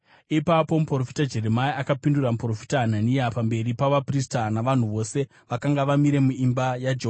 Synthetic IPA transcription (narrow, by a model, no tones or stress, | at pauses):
ipapo̞mupro̞fi̥tad͡ʒe̞ɾe̞maiakapinduramupro̞fi̥taɦananijapambe̞ɾipaʋapristanaʋan̤uʋo̞se̞ | ʋakaŋɡaʋamiɾe̞muimbajad͡ʒeɦoa